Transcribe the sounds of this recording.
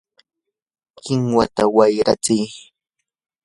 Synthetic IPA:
kɪŋwat̪awajɾat͡sɪj

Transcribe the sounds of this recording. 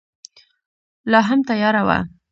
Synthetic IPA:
lɑɦamt̪ajɑɾawa̰

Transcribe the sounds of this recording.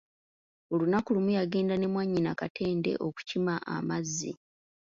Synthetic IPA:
o̞lunakulumujaɡeːndane̞mwaɲːinakatʰe̞ːnde̞̰ʔo̞ku̥cimaa̰mazːḭ

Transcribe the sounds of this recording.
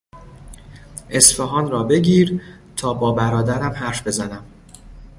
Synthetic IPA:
ʔe̞sfeɦɒːnɾɒːbe̞ɟiːɾ | t̪ʰɒːbɒːbæɾɒːd̪æɾæmɦæɾfbe̞zænæm

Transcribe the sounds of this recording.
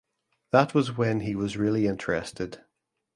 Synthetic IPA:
ðəʔwɒzwə̃niwɒzɹɪlˠiɪ̃ntʰəɹɛ̰stɪd̥

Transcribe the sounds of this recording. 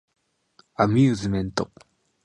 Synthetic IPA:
amʲjɨːzɨmẽ̞nt̪o

